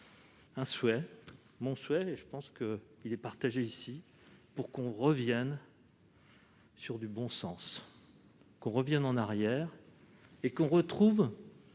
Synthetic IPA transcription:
ɛ̃swɛ | mɔ̃swɛeʒəpɑ̃skəilɛpaʁt̪aʒeisi | puʁkɔ̃ʁəvjɛn | syʁd̪ybɔ̃sɑ̃s | kɔ̃ʁəvjɛnɑ̃naʁjɛʁ | ekɔ̃ʁət̪χuv

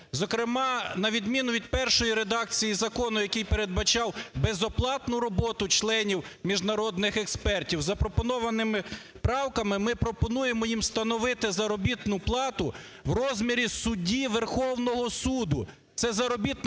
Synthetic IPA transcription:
zɔkɾɪmɑnɐʋʲid̪mʲinʊʋʲid̪̚pɛrʃɔjiɾed̪ɑkt͡sʲijizɐkɔnʊjɐkijpeɾe̞d̪̚bɐt͡ʃɑwbezɔplˠɑt̪nʊɾɔbɔt̪ʊt͡ʃlˠɛnʲiwmʲiʒnɐɾɔd̪nɪxekspɛrtʲiwzɐpɾɔpɔnɔʋɐnɪmɪ | pɾɑwkɐmɪmɪpɾɔpɔnujemɔjimst̪ɐnɔʋɪt̪ɪzɐɾɔbʲit̪nʊplˠɑt̪ʊ | wrɔzʲmʲiɾʲisʊdʲiʋerxɔwnɔɦɔsud̪ʊ | t̪sɛzɐɾɔbʲit̪

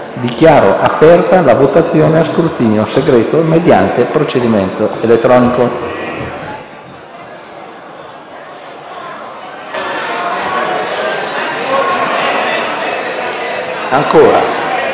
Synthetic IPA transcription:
d̪ikjaːɾo̰ʔapːɛrt̪alavot̪at̪sːjoːneaskɾurt̪iːnjoseɡɾɛːt̪omed̪ja̰nt̪epɾot͡ʃed̪iment̪oelet̪ːɾɔːniko | aŋkoːɾa̰

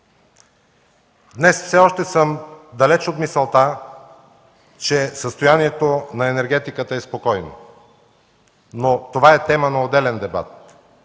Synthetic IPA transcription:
d̪nɛsfsɛɔʃt̪ɛsɤmd̪ɐlɛt͡ʃot̪misɐlˠt̪a | t͡ʃɛsəst̪ojaniɛt̪onɐɛnɛɾɡʲɛt̪ikət̪əɛspokɔjno̰ | not̪ovaɛt̪ɛmənɐod̪ɛlɛnd̪ɛba̰t̪̚

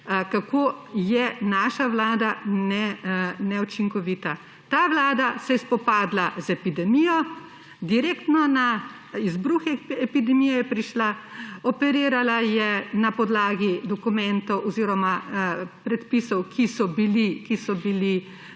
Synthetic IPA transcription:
kakoːjɛnaːʃaʋlaːd̪anɛnɛut͡ʃiŋkɔʋit̪a | t̪aːʋlaːd̪asɛjɛspɔpaːd̪lazɛpid̪ɛmijɔ | d̪iɾekt̪nɔna | izbɾuːxɛɛpid̪ɛmijɛjɛpɾiʃlaɔpɛɾiːɾalajɛnapɔd̪laːɡid̪ɔkumɛnt̪ɔwʔɔziːɾɔmapɾɛt̪pisɔwkʰisɔbilikisɔbili

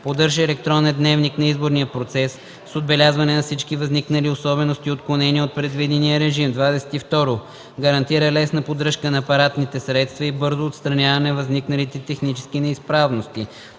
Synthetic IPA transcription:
pod̪ɤɾʒəɛlɛk̚t̪ɾɔnɛnd̪nɛvniknɐizboɾniəpɾot̪sɛsː | od̪̚bɛlʲazvɐnɛnɐfsit͡ʃkivɐzniknɐliosɔbɛnost̪iot̪klˠonɛniəot̪̚pɾɛd̪vid̪ɛnijəɾɛʒimd̪vad̪ɛsɛ̥t̪ift̪ɔɾʊ | ɡɐɾɐnt̪iɾəlɛsnəpod̪ɾɤʃkənɐːpɐɾat̪nit̪ɛsɾɛt̪st̪vɐibɤɾzʊːt̪st̪ɾɐnʲjavɐnɛvɐzniknɐlit̪ɛt̪ɛxnit͡ʃɛ̥skinɛispɾavnost̪i

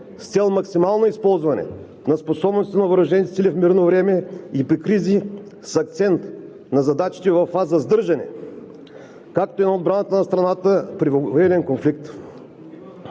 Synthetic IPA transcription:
st̪sɛlˠmɐksimalˠnoispɔlˠzvɐnɛ̰ | nɐsposɔbnosɛnɐvəɾɐʒɛnit̪silʲifmiɾnovɾɛmɛipɾikɾizi | sɐk̚t̪sɛnt̪ | nɐzɐd̪at͡ʃi̥t̪ɛvɐfːazəzd̪ɤɾʒɐnɛ̰ | kak̚t̪oinɐod̪̚bɾanət̪ənɐst̪ɾɐnat̪əpɾivoɛlɛnkonflik̚t̪

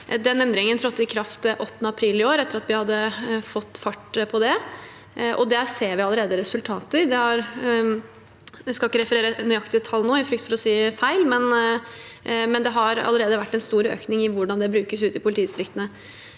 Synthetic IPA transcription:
d̪ɛnɛnd̪ɾɪŋənt̪ʰɾɔt̪ːɪkʰɾɑft̪ʔɔt̪ːənəɑpʰɾiːlɪoːɾɛt̪ːəɾɑt̪ʋɪhɑd̪ːəfɔt̪ːfɑʈːpʰɔd̪ɛ | ʔɔd̪ɛseːɾʋɪɑlːəɾeːd̪əɾɛsʉlt̪ʰɑːt̪əɾd̪ɛhɑɾ | d̪ɛskɑlɪkːəɾɛfəɾeːɾənœʏɑkt̪ɪɛt̪ʰɑlːnoːɪfɾʏk̚t̪fɔɾɔsiːfæɪlmɛn | mɛnd̪ɛɦɑɾɑ̰lːəɾeːd̪əʋæʈːɛnst̪uːɾø̰ːknɪŋɪʋʊɖɑnd̪ɛbɾʉːkəsʉːt̪ɪpʰʊlɪt̪iːst̪ɾɪkt̪ənə

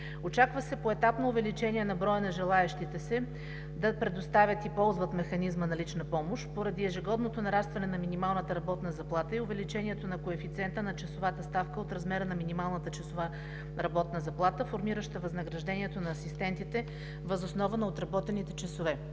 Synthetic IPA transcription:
ot͡ʃakvəsɛpoɛt̪apnoʊvɛlit͡ʃɛniɛnɐbɾɔjənɐʒɛlˠaɛʃt̪it̪ɛsɛ | d̪ɐpɾɛd̪ost̪avʲət̪ipɔlˠzvət̪mɛxɐnizmənɐlit͡ʃnɐpɔmoʃt̪poɾɐd̪iɛʒɛɡɔd̪not̪onɐɾast̪vɐnɛnɐminimalˠnət̪əɾɐbɔt̪nəzɐplˠat̪əiʊvɛlit͡ʃɛniɛt̪onɐkoɛfit̪sʲiɛnt̪ənɐt͡ʃɐsovat̪əst̪afkəot̪ɾɐzmɛɾənɐminimalˠnət̪ət͡ʃɐsova | ɾɐbɔt̪nəzɐplˠat̪əfoɾmiɾəʃt̪ɐvɐznɐɡɾɐʒd̪ɛniɛt̪onɐːsist̪ɛnt̪it̪ɛ | vɐzosnɔvənɐot̪ɾɐbɔt̪ɛnit̪ɛt͡ʃɐsovɛ

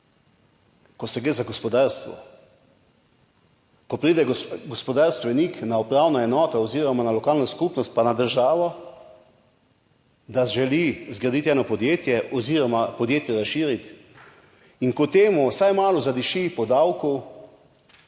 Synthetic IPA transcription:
kɔsɛɡɾeːzaɡɔspɔd̪aːɾst̪ʋɔ̰ | kɔpɾiːd̪ɛɡɡɔspɔd̪aɾst̪ʋɛniknaupɾawnɔɛnɔːt̪ɔɔziːɾɔmanalɔkaːlnɔskupnɔst̪̚panad̪əɾʒaːʋɔ | d̪aʒɛlizɡɾad̪it̪ɛnɔpɔd̪jeːt̪jɛʔɔziːɾɔmapɔd̪jeːt̪jɛɾasʃiːɾit̪ | iŋkɔt̪eːmusajmaːlɔzad̪iʃipɔd̪awkɔw

